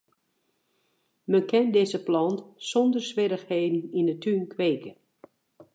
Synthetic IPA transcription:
mənkɛndɪzəplɔntsɔndərsʋɪɾəxheːdn̩indətʰynkʰʋeːkə

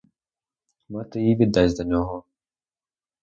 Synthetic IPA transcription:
mat̪ɪjiʋʲid̪ːazʲd̪ɐnʲɔɦɔ

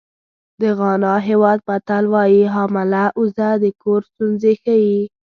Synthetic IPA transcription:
d̪əɣɑnɑɦewɑd̪̚bat̪alwɑjiɦɑmɪlaʔʊzad̪əkoɾst̪unzexaji

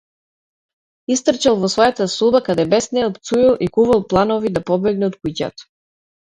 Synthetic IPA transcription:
ist̪r̩t͡ʃalˠvɔsvɔjat̪asubakad̪ɛbɛsnɛlˠpt̪sujilˠʔikuvalˠplˠanɔvid̪apɔbɛɡnɛɔt̪kuca̰t̪

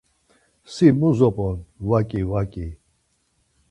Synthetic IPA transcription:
simuzɔpʼɔnwakʼiwakʼi

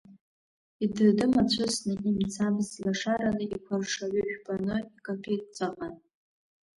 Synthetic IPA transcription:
idɨrdɨmat͡ɕʷʰʊsnɨʔimt͡sʰamzilaʂaɾanɨʔikʷʰarʂaʕʏʒᶣbʼanɨikʰʼapʰet̚ʼt͡sʼaqʼan

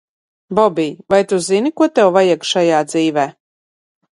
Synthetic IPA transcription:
bɔbiːvajt̪uzinikuɔt̪ɛwvajikʃajaːd̪ziːvɛː

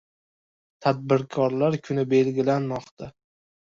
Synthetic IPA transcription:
t̪ʰad̪̚bɪɾkʰɒɾlaɾkʰʊnɪbe̞lɡʲɪlanmɒqt̪ʰa

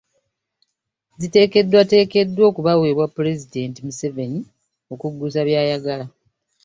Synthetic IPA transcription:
zite̞ːke̞dːwate̞ːke̞dːwo̞ːkuβaweːβwapːuɾe̞zide̞ːntimuse̞ve̞ni | o̞kuɡːusaβjaːjaɡala

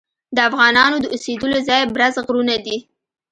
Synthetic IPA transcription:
d̪əafɣɑnɑnod̪əused̪əlozɑjbɾazɣɾunad̪i

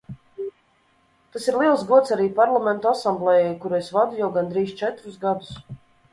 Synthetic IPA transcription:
t̪asiɾlˠiɛlˠzɡuɔt̪saɾiːpaɾlˠamɛnt̪uasamblˠɛjɛjkuɾuesvad̪ujawɡand̪ɾiːst͡ʃɛt̪ɾusɡad̪us

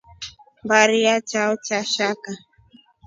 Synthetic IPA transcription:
mbaɾiat͡ʃaɔt͡ʃaʃaka

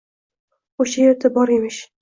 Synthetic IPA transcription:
oʃajeɾt̪ʰabɒɾemɪʃ

